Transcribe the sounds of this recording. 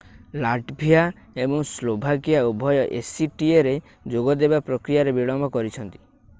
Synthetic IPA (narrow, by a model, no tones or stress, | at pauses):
laʈbʱija | ebɔŋslobʱakiaubʱɔjɔʔesiʈieɾe | d͡ʒoɡɔd̪ebapɾɔkɾijaɾebiɭɔmbɔkɔɾit͡ʃʰɔnt̪i̥